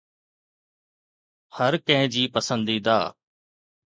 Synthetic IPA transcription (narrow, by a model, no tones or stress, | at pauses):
həɾkə̃ɦɪ̃d͡ʑiːpəsə̃nd̪iːd̪aː